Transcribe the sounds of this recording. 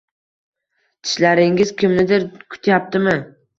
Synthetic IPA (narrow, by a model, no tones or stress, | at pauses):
t̪ʰɪ̥ʃlaɾɪŋɪz̥kʲʰɪmnɪd̪ɪɾkʰʊ̥t̪ʰjap̚t̪ɪmɪ